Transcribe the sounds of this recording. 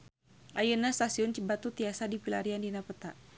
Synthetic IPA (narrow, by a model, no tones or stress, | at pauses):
ʔajənast̪asiʊnt͡ʃibat̪ut̪iasadipilaɾiandinapət̪aʔ